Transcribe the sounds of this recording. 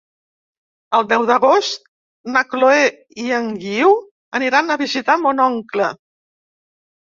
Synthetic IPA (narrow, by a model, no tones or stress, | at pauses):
əlˠd̪ɛwðəɣost̪̚ | nəkloe | iəŋɡiw | əniɾanəβizit̪amonɔŋklə